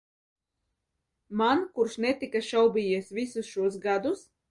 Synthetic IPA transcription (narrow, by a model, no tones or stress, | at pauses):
mankuɾʃnɛt̪ikaʃawbʲijiɛsvʲisusʃuɔs̬ɡad̪us